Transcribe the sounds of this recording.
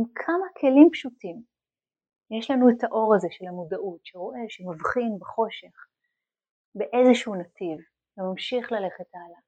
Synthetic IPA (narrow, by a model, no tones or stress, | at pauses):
imkʰamakʰe̞limpʃutim | jeʃlanuetaʔo̞ʁazeʃe̞lhamudaʔutʃeʁo̞ʔe̞ʃemavχinbeχo̞ʃe̞χ | be̞ʔezeʃunativ | vemamʃiχlale̞χetala